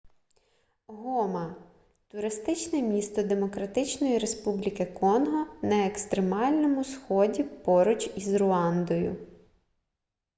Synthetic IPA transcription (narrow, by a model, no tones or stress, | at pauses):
ɦɔmɐ | t̪ʊɾɪst̪ɪt͡ʃnɛmʲist̪ɔd̪e̞mɔkɾɐt̪ɪt͡ʃnɔjiɾe̞spublʲikɪkɔnɦɔnɐekst̪ɾemɑlʲnɔmʊsxɔdʲipɔɾʊt͡ʃʲizrʊɑnd̪ɔjʊ̰